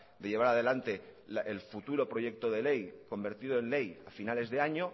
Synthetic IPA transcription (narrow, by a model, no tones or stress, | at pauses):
d̪e̞ʎeβaɾað̞e̞lant̪e̞lelfut̪uɾo̞pɾo̞ʝe̞k̚t̪o̞ð̞e̞le̞jko̞mbe̞ɾt̪iðo̞e̞nle̞ja̰finale̞zðe̞aɲo̞